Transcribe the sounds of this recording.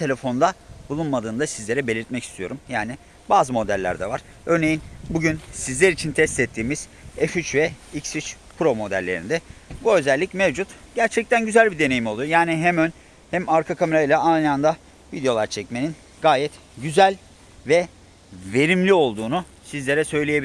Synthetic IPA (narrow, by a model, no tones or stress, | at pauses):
t̪ʰe̞lʲe̞fond̪abulˠunmad̪ɯːnd̪asizlʲeɾɛbelʲiɾt̪mɛci̥st̪ʰijo̞ɾumjaːnɪ | baːzɯmo̞d̪ælʲːæ̰ɾd̪ɛ̰vaɾ̥ | ø̞ɾne̞jinbuɟynsizlʲæɾit͡ʃʰint̪ʰɛst̪ɛt̪ʰːiːmiz̥ | ɛfyt͡ʃvɛicsyt͡ʃ | pʰɾo̞mo̞d̪æ̰lʲːe̞ɾḭnd̪ɛbuø̞zælʲːicmevd͡ʒut̪ɟæɾt͡ʃʰɛc̚t̪ænɟyzælʲbid̪e̞ne̞jimo̞lˠujojaːniɦæmøn | hæmaɾkʰakʰame̞ɾajlʲɛajnɯand̪a | vid̪ejo̞lˠaɾt͡ʃʰɛcme̞nin | ɡaːjɛt̪ | ɟyzælʲ | vɛ | ve̞ɾimlʲio̞lˠd̪uːnu | sizlʲe̞ɾɛsø̞jlʲejebi